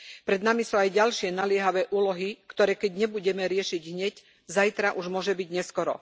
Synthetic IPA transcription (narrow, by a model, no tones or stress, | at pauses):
pɾɛd̪namisuːajɟalʃɪɛnalɪɛɦaʋɛːʔuːlɔɦikt̪ɔɾɛːkɛɟɲɛbuɟɛmɛɾɪɛʃiɟɦɲɛc | zajt̪ɾaʔuʒmʊɔʒɛbiɟɲɛskɔɾɔ̰